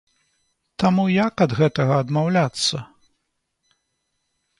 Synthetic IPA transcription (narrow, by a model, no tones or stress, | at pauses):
t̪amujɐkɐd̪ɣɛt̪ɐɣɐːd̪mawlʲat̪sːɐ